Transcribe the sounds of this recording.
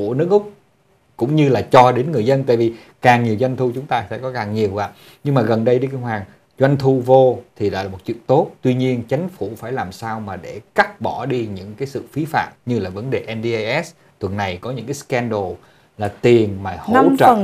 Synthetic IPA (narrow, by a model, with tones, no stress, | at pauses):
u˧˩ənɨ˦˥ək̚ʔʊ˦˥k͡p̚ | kʊ̰˧˥ŋ͡mɲɨ˧laː˨˩t͡ɕɔ˧ɗe˨˦nŋɨ˨˩əjzə˧nt̪a̰ː˧˨jvi˨˩ | kaː˨˩ŋɲi˨˩əwzwa˧jŋ̟t̪ʰu˧t͡ɕʊ˨˦ŋ͡mt̪aː˧sɛ̰ː˧˥kɔ˨˦kaː˨˩ŋɲi˨˩əwɣa̰ː˧˨ | ɲɨ˧ŋmaː˨˩ɣə˨˩nɗə˧jɗi˧ki˧ŋɦwaː˨˩ŋ | zwa˧jŋ̟t̪ʰu˧vo˧t̪ʰi˨˩la̰ː˨˦laː˨˩mo˨˩t̚t͡ɕwḭ˧˨ənt̪o˦˥t̚t̪wi˧ɲi˧ənt͡ɕa˨˦jŋ̟fu˧˩faː˧˩jlaː˨˩msaː˧wmaː˨˩ɗe˧˩ka˦˥t̚ɓɔ˧˩ɗi˧ɲɨ̰˧˥ŋkaː˨˦jsɨ̰˧˨fi˨˦fa̰ː˧˨mɲɨ˧laː˨˩və˨˦nɗe˨˩ʔɛ˧nɗi˧jʔɛ˦˥s | t̪ʰwə˨˩nna˨˩jkɔ˨˦ɲɨ̰˧˥ŋkaː˨˦skɛ˧nɗo˨˩ | laː˨˩t̪i˨˩ənmaː˨˩ho˧˥t͡ɕə̰˧˨˩